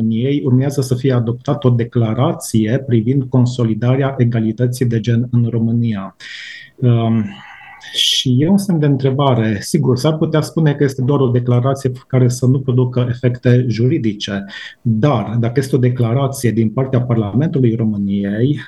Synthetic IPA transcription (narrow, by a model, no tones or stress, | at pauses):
nijejurmeazəsəfijead̪o̞p̚t̪at̪əo̞d̪e̞klaɾat̪sije̞pɾivind̪̚ko̞nso̞lid̪aɾeaʔe̞ɡalit̪ət̪sijd̪e̞d͡ʒe̞nɨnro̞mɨnija | ʃijeunse̞md̪eɨnt̪ɾe̞baɾe̞siɡursarput̪easpune̞kəje̞st̪e̞d̪oaɾo̞d̪e̞klaɾat̪sije̞kaɾe̞sənupɾo̞d̪ukəe̞fe̞kt̪e̞ʒuɾid̪it͡ʃe̞d̪ard̪akəje̞st̪eo̞d̪e̞klaɾat̪sije̞d̪inpart̪eaparlame̞nt̪ulujro̞mɨnijej